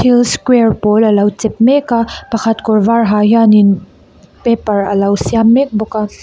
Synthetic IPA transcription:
tʰilskwɛɹpɔləlɐwt͡sɛp̚mɛkapɐxʰɐt̪kɔɹvaɹɦajanin | pɛpɐɹɐlɐwsiamːɛk̚bɔka

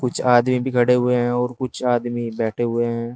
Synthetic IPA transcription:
kʊt͡ʃʰaːd̪mibʱikʰɐɽeɦʊeɦɛ̃ɔːɾkʊt͡ʃʰaːd̪mibɛːʈʰeɦʊeɦɛ̃ː

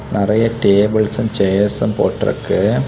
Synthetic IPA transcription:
nɐrɐjɐʈeːbɐɭsɐmt͡ɕejsɐmpo̰ːʈrɐ̰kːɨ

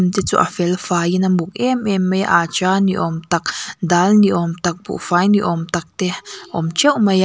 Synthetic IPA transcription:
mt̪et͡sṵʔa̰felfajinambukʼememːejaʔat͡ʃaːniʔomt̪aknd̪aːlniʔomt̪ak̚bṵʔfajniʔomt̪ak̚t̪ehʔomt͡ʃewmaja

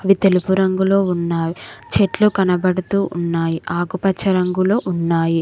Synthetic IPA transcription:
ɐʋit̪e̞lupuɾɐŋɡulo̞ːunːaːjt͡ʃeʈlukɐnɐbɐɽut̪uːʔunːaːjiʔaːɡupɐt͡ʃʰːɐɾɐŋɡulo̞ːʔunːaːji

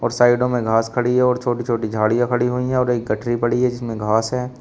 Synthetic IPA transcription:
ɔːɾsaːɪɖõmẽɡʱaːskʰɐɽiɦɛɔːɾt͡ʃʰoːʈit͡ʃʰoːʈid͡ʒʱaːɽijãkʰɐɽiɦoiɦɛ̃ɔːɾeːk̚ɡɐʈʰɾipɐɽiɦɛd͡ʒɪsmẽɡʱaːsɦɛː

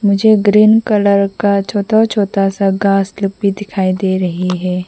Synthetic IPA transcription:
mʊd͡ʒʱeɡɾiːnkɐləɾkat͡ʃʰoːt̪at͡ʃʰoːt̪asaɡaːslʊp̚bʱid̪ɪkʰaːid̪eːɾɐɦiɦɛː

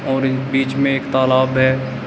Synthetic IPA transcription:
ɔːɾbiːt͡ʃmẽeːkt̪aːlaːbɦɛː

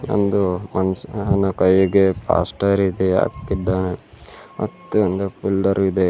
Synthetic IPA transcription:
ɐ̰nd̪umɐnsɐnːɐkɐjːuɡepa̰ːsʈɐɾid̪ea̰ːkkiɖ̪ːaːne | mɐ̰t̪ːuɐnd̪epulɖɐɾid̪e

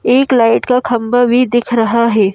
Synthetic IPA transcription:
eːklaːɪʈkakʰɐmbabʱid̪ɪkʰɾɐɦaɦɛː

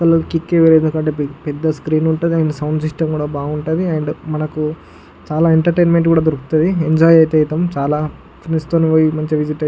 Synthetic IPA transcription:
kɐlɐkikːeːʋelend̪ukɐɳʈeːpɛd̪ːɐskɾiːnuɳʈud̪iaːjnɐsɐwɳɖsiʂʈɐmkuːɽaːbaːɡuɳʈaːd̪iajɐɳɖmɐnɐku | t͡ʃaːlaːeɳʈɐɾʈeːnmeɳʈkuːɽaːd̪ɐɾuki̥t̪ɐd̪ieɲd͡ʒaːjɐjt̪eːjit̪ɐmt͡ʃaːlaː | pʰinist̪oːniʋoːjimɐɲt͡ʃiʋid͡ʒiʈɐ

